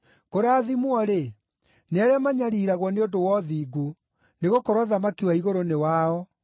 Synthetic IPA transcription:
koɾaːðimwɔɾe | neaɾamaɲaɾiːɾaɣwɔneondowɔðiːɡu | neɣokoɾɔðamakiwaiɣoɾonewaɔ

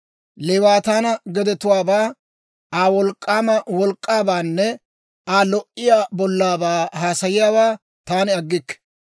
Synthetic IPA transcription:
lɛwaːt̪aːnɐɡɛd̪ɛt̪ʊwaːbaː | aːwɔlkʼːaːmɐwɔlkʼːaːbaːnːɛ | aːlɔʔɪjaːbɔlːaːbaːɦaːsɐjɪjaːwaː | t̪aːnɪɐɡːɪkːɛ̥

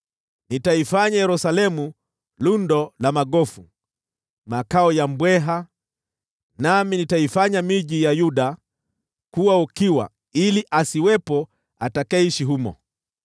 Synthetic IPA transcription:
nitaifaɲajɛɾusalɛmu | lundɔlamaɠɔfu | makaɔjambwɛɦa | naminitaifaɲamiʄijajuɗa | kuwaukiwa̰ | iliʔasiwɛpɔ | atakaiʃiɦumɔ̰

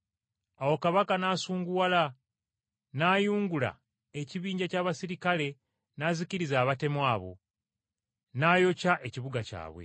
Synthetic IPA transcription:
awo̞kaβakanaːsuːŋɡuwala | najuːŋɡula̰ | e̞ciβiːɲɟacaːβasiɾikale̞ | naziciɾizaːβate̞mwaːβo̞̰ | naːjo̞caʔe̞ciβuɡaca̰ːβwe̞̰

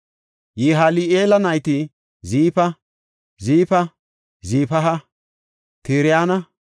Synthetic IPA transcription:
jiɦaːlieːlɐnɐjt̪ɪ | ziːpɐ | ziːfɐ | ziːpɐɦɐ | t̪ɪːɾɪjaːnɐ

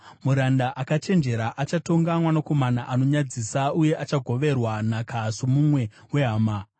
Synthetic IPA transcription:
muɾandaʔakat͡ʃe̞nd͡ʒe̞ɾaʔat͡ʃato̞ŋɡamwanako̞manaʔano̞ɲad͡zisauje̞ʔat͡ʃaɡʱo̞ʋe̞rwanakʰasumumwe̞ | we̞ɦaːma

